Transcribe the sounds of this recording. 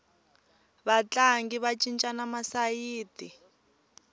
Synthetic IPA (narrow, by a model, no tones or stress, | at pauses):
βat͡ɬʼaŋɡiβat͡ʃʼint͡ʃʼanamasajiːti